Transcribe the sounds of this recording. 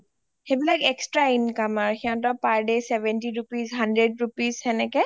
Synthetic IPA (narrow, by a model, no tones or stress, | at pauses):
hebilakɛkstɹainkamaɹxiãtɔpaɹdesɛbɛntiɹupizɦandɹedɹupizɛnɛkɛ